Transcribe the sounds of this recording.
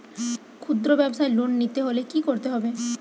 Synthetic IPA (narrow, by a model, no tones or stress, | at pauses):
kʰud̪ɾobɛbsaelonnit̪eɦolekikoɾt̪eɦɔbe